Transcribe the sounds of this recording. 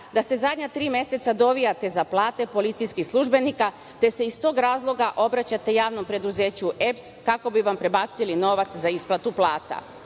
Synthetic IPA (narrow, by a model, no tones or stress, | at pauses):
d̪ase̞zad̪ʲɲat̪ɾiːme̞se̞t̪sad̪o̞ʋijat̪e̞zaplˠaːt̪e̞po̞lit̪sijskixslˠuʒbe̞nika | t̪e̞se̞ist̪o̞ːɡɾaːzlˠo̞ɡaʔo̞bɾat͡ɕat̪e̞jaːʋno̞mpɾe̞d̪uze̞ːt͡ɕuʔepskako̞biʋampɾe̞baːt̪silino̞ʋat̪szaisplˠat̪uplˠaːt̪a̰